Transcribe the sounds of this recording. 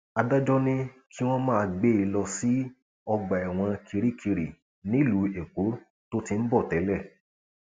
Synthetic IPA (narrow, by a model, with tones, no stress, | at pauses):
a˧da˦d͡ʒɔ˦nĩ˦kʰi˦w̃ɔ̃˦mã˦˧ɡ͡be˦i˧lɔ˧si˦ | ɔ˧ɡ͡ba˨ɛ˨w̃ɔ̃˧kʰi˧ɾi˦kʰi˧ɾi˨ | nĩ˨˦lu˨˦e˨ko˨˦ | to˦ti˧n̩˦bɔ˦˨tɛ˨˦lɛ˦˨